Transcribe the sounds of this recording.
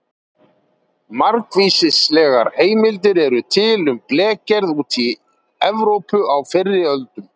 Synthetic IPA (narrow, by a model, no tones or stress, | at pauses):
maɾkviːsɪslɛːɣa̰ɾheːjmɪlt̪̬ɪɾɛɾʏt̪ʰɪlʏmplɛːcɛɾðuːt̪ʰi | ɛvɾowpʏawfɪrːɪœlt̪ʏm